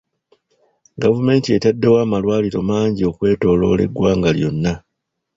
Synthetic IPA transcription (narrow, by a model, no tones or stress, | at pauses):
ɡavume̞ːntie̞tadːe̞waːmalwaːliɾo̞maːɲɟio̞kwe̞ːto̞ːlo̞̰ːle̞̰ɡwaːŋɡaljo̞̰nːa